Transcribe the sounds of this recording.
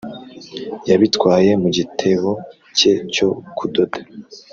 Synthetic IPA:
jaβitkwaːje̞muɟitʰe̞βo | ce̞co̞kʰudodḁ

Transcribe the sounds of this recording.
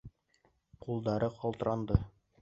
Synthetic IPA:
qulˠd̪ɑɾɤqɒlˠt̪ɤ̆ɾɑnd̪ɤ

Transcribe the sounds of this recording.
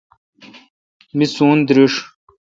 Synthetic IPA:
misuːnd̪ɾiʂ

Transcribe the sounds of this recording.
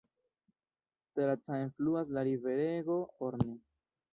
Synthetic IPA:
telat͡saenfluas̬laɾive̞ɾeɡo̞oɾne

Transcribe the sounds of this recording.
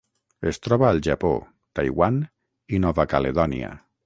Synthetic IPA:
est̪ɾɔβaːlˠʒapo̰ | t̪ajɣwan | inɔβakaleðɔnḭa̰

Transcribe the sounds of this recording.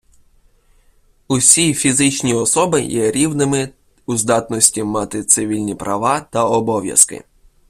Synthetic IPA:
usʲijfʲizɪt͡ʃnʲiɔsɔbɪjɛɾʲiwnɪmɪ | uzd̪ɑt̪nɔsʲtʲimɑt̪ɪt̪sɪʋʲilʲnʲipɾʔɐ̰ʋɑt̪ɐɔbɔʋʲjɐ̰skɪ̰

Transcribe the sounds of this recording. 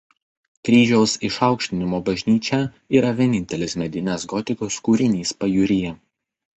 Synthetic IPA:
kɾʲiːʒʲoːsɪʃɑˑʊkʃʲt̪ʲɪnʲɪmoːbɐʒʲnʲiːt͡ʃʲɛ | iːɾɐʋʲiɛnʲɪnʲt̪ʲɛlʲɪsmʲɛd̪ʲɪnʲɛsɡɔt̪ʲɪkoːskuːɾʲɪnʲiːspɐjuɾʲɪjɛ

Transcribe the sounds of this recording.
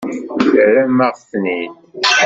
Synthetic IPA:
ɾæmæʁθniθ

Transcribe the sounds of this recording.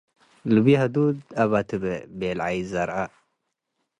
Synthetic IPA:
lɨβihɐd̪ud̪aβat̪ʰɨbɛbelʕajzaɾʔa

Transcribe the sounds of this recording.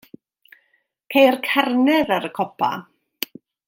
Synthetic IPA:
kʰejrkʰarnɛðaɾəkʰɔpʰa̰

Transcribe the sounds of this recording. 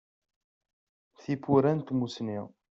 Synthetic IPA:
θipuɾænt̪musniʁ

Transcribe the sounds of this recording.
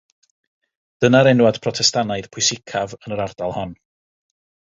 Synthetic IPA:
d̥ənaɾɛnwad̥pʰrɔtʰɛstanaɨð̥pʰʊjsɪkʰavənəɾard̥alˠhɔn

